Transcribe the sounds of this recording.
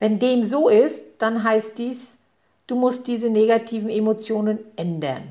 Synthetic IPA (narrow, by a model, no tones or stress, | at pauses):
vɛndeːmzoːʔɪstd̥anɦaɪst̚d̥iːs | d̥uːmʊst̚d̥iːzəneɡatʰiːvn̩emot͡sjoːnənʔɛndɐ̰n